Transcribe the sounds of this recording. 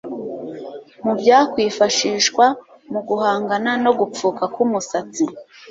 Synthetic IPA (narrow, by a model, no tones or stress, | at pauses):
mubɟaːkwiːfaʃiːʃkwa | muɡuhaːŋɡanano̞ɡup͡fuːkakumusat͡si